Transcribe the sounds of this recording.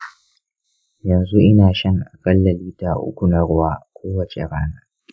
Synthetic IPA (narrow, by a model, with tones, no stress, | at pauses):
jɐ˨nzu˦ʔɪ˦naː˨ʃɐ˦ŋʔa˨kʼɐ˦lːɐ˨liː˦ta˨ʔʊ̰˦kʷu˨nɐ˦ɽʊ˦waː˦kʷoː˦wɐ˨t͡ʃḛ˨ɽaː˦naː˦